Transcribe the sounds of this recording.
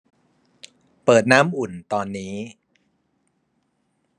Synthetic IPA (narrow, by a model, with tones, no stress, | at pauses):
pɤː˨˩t̪̚naː˦˥mʔu˨˩nt̪ɔː˧nːiː˦˥